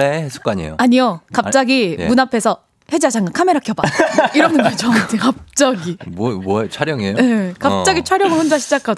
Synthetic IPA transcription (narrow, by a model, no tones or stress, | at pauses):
eesʰu̥k͈aɲḛjo̰aɲiokapt͡ɕ͈aɡijmunapʰe̞sʰʌ | he̞d͡ʑad͡ʑaŋɡakʰame̞ɾakʰjʌbaiɾʌnɯndet͡ɕʌmantʰɯkap̚t͡ɕ͈aɡimmot͡ɕʰwaɾjʌŋiejoekap̚t͡ɕ͈aɡit͡ɕʰwaɾjʌŋɯɭɸond͡ʑaɕʰid͡ʑakʰad